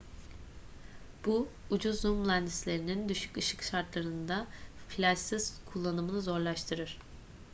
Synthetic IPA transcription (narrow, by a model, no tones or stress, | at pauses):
b̥uud͡ʒuzːumlʲˠænd̪islʲe̞ɾinind̪yʃy̥cɯʃɯkʃaɾt̪lˠaɾɯnd̪aflʲasiz̥kʰulˠːanɯmɯnɯzo̞ɾlˠaʃt̪ʰɯɾɯɾ̥